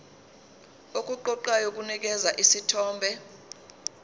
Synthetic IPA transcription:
ok̬ʼuǃɔǃajok̬ʼunik̬ɛzaʔisitʰɔːmbʱɛ

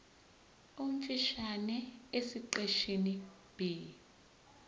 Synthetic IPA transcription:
umt͡ʃʼiʃanɛesiǃeʃini | b̥i

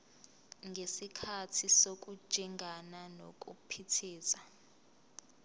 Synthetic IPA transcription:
ŋɡʱesikʰatʰisok̬ʼu̥ʒ̥ʱiŋɡʱananok̬ʼupʰitʰiːsa

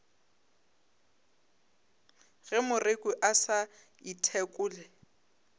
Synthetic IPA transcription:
ɣɛmʊrekʼʊʔasa | itʰɛkʼʊːlɛ

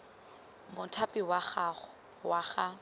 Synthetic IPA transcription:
mʊtʰapʼɪwaχa | waχa

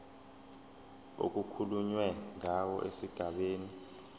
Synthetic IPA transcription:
o̰k̬ʼukʰuluɲwɛŋawɔʔesiɡ̥ʱaɓeːni

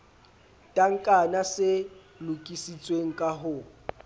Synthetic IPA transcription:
tʼaŋ̩kʼanasɪ | lʊkʼisit͡sʼweŋ̩kʼaɦʊ

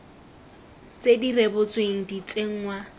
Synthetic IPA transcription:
t͡sʼedirebʊt͡sweŋ̩dit͡sʼeŋ̩ŋwa

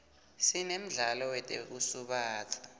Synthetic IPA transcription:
sinem̩ɮalɔwɛtʼḛk̬usuɓaːt͡sʰḁ

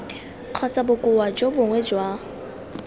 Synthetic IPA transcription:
q͡χʰɔt͡sʼabʊkʼʊwad͡ʒobʊŋwɛd͡ʒwa

